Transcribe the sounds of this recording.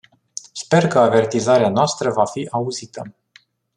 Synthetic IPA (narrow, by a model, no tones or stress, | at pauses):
spe̞rkəave̞rt̪izaɾeanoast̪ɾəvafiʔauzit̪ə